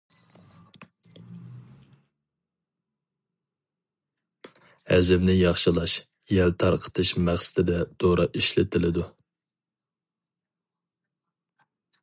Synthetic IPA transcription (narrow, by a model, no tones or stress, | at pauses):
hɛ̰zɪbnɪjɑχʃɨlˠɑʃ | jɛlt̪ʰɑɾqʰə̥t̪ʰɨʃmæχsɪ̥t̪ʰɪd̪ɛd̪̥oɾɑʔiʃlɪt̪ʰɪlɪd̪u